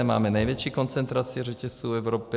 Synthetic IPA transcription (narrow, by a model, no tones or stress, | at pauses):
ɛma̰ːmɛnajvjɛt͡ʃiːkont͡sɛnt̪ɾat͡sɪɛrɛcɛst͡suːɛvɾopɪ